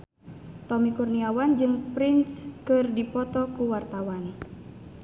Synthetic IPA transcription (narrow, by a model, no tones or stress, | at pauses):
t̪ɔmikurniawand͡ʒɨŋpɾinskɨrdipɔt̪ɔkuwart̪awan